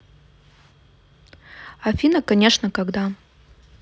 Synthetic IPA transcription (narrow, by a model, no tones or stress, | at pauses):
afʲinɐkanʲe̞ʂnɐkaɡd̪a